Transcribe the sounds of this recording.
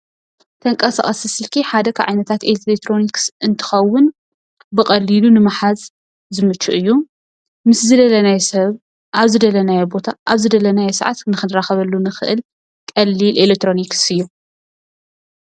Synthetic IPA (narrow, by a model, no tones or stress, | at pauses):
t̪ʰɐŋkʼɐsa̰χʼɐsɐsɨlkʰiħad̪ɐkʰaʕa̰jnɐt̪ʰat̪ellekt̪ʰɾo̞niksɨnt̪ʰɨ̥xɐwːʊn | bɨkʼɐlilunɨmaħaz | zɨmɨt͡ʃːuʔɨjːu | mɨszɨd̪ɐlɐnajsɐβ | ʔaβzɨd̪ɐlɐnajbo̞t̪ʰaʔaβzɨd̪ɐlɐnajɛsɐ̰ʕa̰t̪nɨxɨnɾaxɐβɐlːunɨxɨ̰ʔɨl | kʼɐlːilʔelek̚t̪ɾo̞niksɨjːu